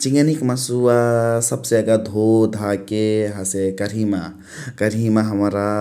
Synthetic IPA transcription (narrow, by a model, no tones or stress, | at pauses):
t͡ʃĩŋɡənikməsuasəbseəɡad̪ʱod̪ʱakeɦasekəɾɦima | kəɾimaɦəmɾa